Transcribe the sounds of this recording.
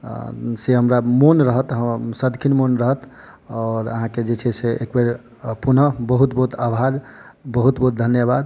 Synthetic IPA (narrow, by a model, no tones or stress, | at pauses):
seɦəmɾamonɾəɦət̪ɦəsəd̪kʰinmonɾəɦət̪ | ɔːɾə̰ɦãked͡ʒet͡ʃʰɛseekbeɾ | punəbəɦut̪bəɦut̪ʰabʱaɾ | bəɦut̪bəɦut̪̚d̪ʱənjəbad̪̚